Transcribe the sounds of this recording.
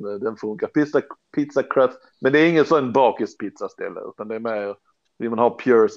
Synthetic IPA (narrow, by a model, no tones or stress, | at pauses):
d̪ɛnfɵŋkapɪt̪sapʰɪt̪sakʰɾɛf | mɛnd̪ɛæːɾɪŋːənsɔɛnbɑːkɪspʰɪt̪sast̪ɛ̰lːə̰ʉ̰ːt̪and̪ɛɛɾmɛ | vɪmanhɑːpʰjʊɾs